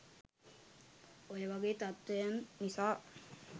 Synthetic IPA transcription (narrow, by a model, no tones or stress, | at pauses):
ojeʋaɡeːt̪at̪ːejanːisaː